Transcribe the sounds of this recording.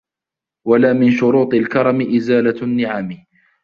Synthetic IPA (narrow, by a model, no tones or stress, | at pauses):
walaːmɪnʃʊɾuːt̪ˤɪlkɑɾˤɑmɪʔɪzaːlanːɪʕaːmɪ